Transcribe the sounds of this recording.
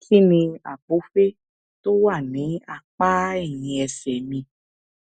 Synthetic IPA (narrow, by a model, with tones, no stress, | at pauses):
si˦nĩ˧a̰˨bo˨˦fe˦ | to˦wa˦˨nĩ˨˦a˨k͡pa˦ɛ˦˨ɲĩ˧ɛ˧sɛ˨mĩ˧